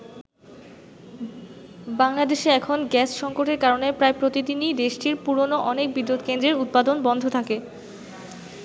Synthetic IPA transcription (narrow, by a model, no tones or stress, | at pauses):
baŋlad̪eʃeɛkʰonɡɛsʃɔŋkoʈeɾkaɾonepɾaepɾot̪id̪inid̪eʃʈiɾpuɾonoʔɔnek̚bid̪ɾod̪kend̪ɾeɾut̪̚pad̪onbɔnd̪ʱot̪ʰake